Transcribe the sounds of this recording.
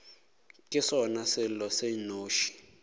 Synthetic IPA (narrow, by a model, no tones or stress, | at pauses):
kʼɪsɔnasɪlɔsenoːʃi̥